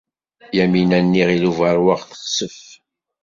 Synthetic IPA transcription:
jæminænːiʁiluvəɾwaʁθə̥χsəf

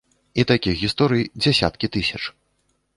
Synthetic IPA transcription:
it̪akʲixɣʲist̪ɔɾɨjid͡zʲɛsʲa̰t̪kʲit̪ɨsʲɐt͡ʂ

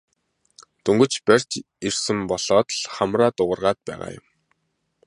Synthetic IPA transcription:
t̪ɵŋɡɵ̆t͡ɕpær̥ʲt͡ɕ | irsɘ̆mpɔɮ̥ɔːt̪ɮχamraːt̪ʊʁə̆rʁaːt̪̚pæ̰ːʁa̰ːjʊ̰m

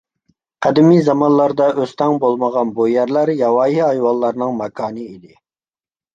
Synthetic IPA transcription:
qʰæd̪ɪmizɑmɑnlˠɑɾd̪ɑʔøst̪ʰɛŋbolˠməʁɑnbujæɾlˠæɾjɑwɑːjiɑjwɑlˠːɑɾnɨŋmɑkʰɑːnɨid̪ɪ

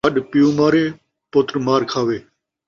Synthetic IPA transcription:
əɗpɪjũːmaːɾeː | poːt̪ɾmaːɾkʰaːʋeː

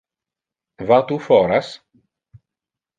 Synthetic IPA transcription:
vat̪ufɔɾas

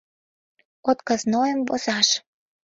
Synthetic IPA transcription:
ot̪kəznojəmvosɑʃ

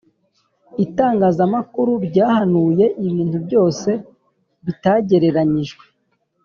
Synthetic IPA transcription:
itaːŋɡaːzamakuɾuɾɟaːhanuːje̞ʔiβiːntubɟo̞ːse̞ | βitaɟe̞ɾe̞ɾaɲiʒɡwe

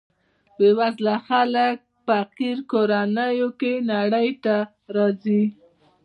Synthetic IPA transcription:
bewazlaxalək̚pəaqiɾkoɾanəjokenaɽəjt̪a | ɾɑzi

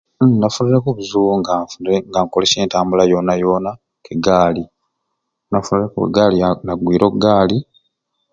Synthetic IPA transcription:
nafuniɾekuβuzuuŋɡafeŋɡaŋkoleseːntaːmbulajo̞najo̞ːna | keɡaːli | nafuniɾekuṵɡaːlinaɡwiːɾokɡaːli

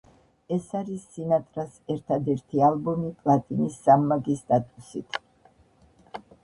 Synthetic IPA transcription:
ɛsaɾisːinat̪ʼɾasɛɾt̪ʰad̪ɛɾt̪ʰialˠbɔmipʼlˠat̪ʼinisːamːaɡist̪ʼat̪ʼusit̪ʰ

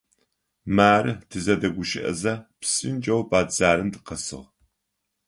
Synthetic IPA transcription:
maːɾɨtʰɨzɐdɐɡʷʊʃɪ̰ʔɐ̰zɐpsɨnd͡ʒʼɐwbaːd͡zaːɾɨmdɨqɐsɨ̰ʁ

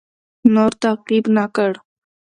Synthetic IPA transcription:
nɔɾt̪aqibnakəɽ

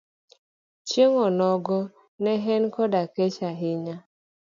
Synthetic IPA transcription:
t͡ʃeŋɔnɔɡɔ | nɛɦɛnkɔdaket͡ʃaɦɪɲa

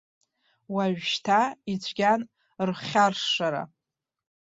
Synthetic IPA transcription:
waɥʃtʰait͡ɕʷʰɡʲan | rχʲarʂʂaɾa̰

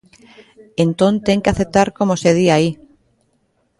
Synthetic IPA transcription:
ent̪õnt̪eŋkeaθep̚t̪aɾkomoseðiai

